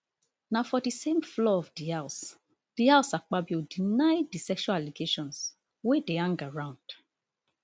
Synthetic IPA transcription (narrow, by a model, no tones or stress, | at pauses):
nãfɔdisẽmflɔɔfdias | d̥iaʊsak͡pabiodinajdisɛkʃualaliɡeʃɔ̃ns | wedeãŋɡaɹãʊ̃nd̥